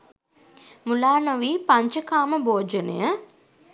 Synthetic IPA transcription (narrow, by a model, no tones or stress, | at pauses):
mulaːnoʋiːpaɲt͡ʃəkaːməboːd͡ʒənə̰jə